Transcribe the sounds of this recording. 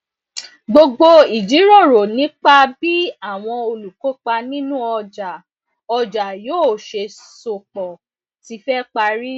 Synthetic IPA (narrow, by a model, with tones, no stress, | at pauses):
ɡ͡bo˧ɡ͡bo˧i˨d͡ʒi˨˦ɾɔ˦˨ɾo˨nĩ˨˦k͡pa˦bi˦a˦˨w̃ɔ̃˧o˧lu˨ko˨˦k͡pa˧nĩ˦nũ˦ɔ˧d͡ʒa˨ | ɔ˧d͡ʒa˨joː˦˨ʃe˧so˨k͡pɔ˨ | ti˨˧˦fɛ˦k͡pa˧ɾi˦